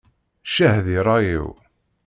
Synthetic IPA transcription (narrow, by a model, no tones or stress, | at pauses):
ʃæhðiɾˤɑjḭw